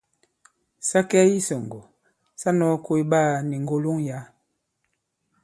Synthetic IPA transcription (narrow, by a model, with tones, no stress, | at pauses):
sa˦kɛ˦ji˦sɔ˨ŋɡɔ˨ | sa˦nɔ˨˦ko˦i˦ba˦˨ni˨ŋɡo˦lo˦ŋja˨˦